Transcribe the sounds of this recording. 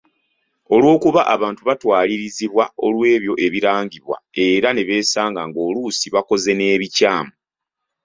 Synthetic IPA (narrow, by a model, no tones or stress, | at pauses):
o̞lwo̞ːkuβaʔaβaːntuβatwaːliɾiziβwao̞lwe̞ːβjo̞ʔe̞βiɾaːɲɟiβwa̰e̞ːɾane̞βe̞ːsaːŋɡaŋɡo̞ːluːsiβako̞ze̞ne̞ːβicaːmu